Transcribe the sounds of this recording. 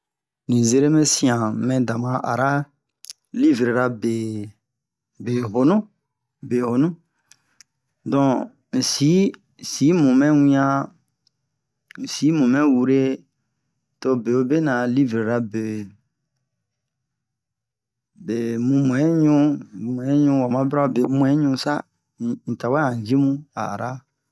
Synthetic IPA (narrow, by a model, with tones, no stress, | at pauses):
nĩ˨ze˦ɾe˦mẽ˦sĩ˦ã˨mɛ̃˨da˨mã˨ʔa̰˨ɾa˦ | li˦vɾe˨ɾa˧be˨ | be˨ɦo˨nũ˦ | be˨ho˨nũ˦ | dɔ̃˨ | si˨˦˨ | si˨˦mũ˨mɛ̃˦wĩ˦ã˦ | n̩˨si˨˦mũ˨mɛ̃˦wu˧ɾe˦ | to˧be˨o˦be˦nã˨li˦ve˨ɾa˨be˨ | be˨mũ˧mũ˨ɛ̃˨˦ɲũ˦˨m˨ɛ̃˨˦ɲũ˧wa˨mã˨˦bɾa˦˨be˨mũ˧˨ɛ̃˨˦ɲũ˧˦sa̰˦˨ | n̩˨ta˨wa˦ã˨d͡ʒi˦mũ˦a̰˨ɾa˦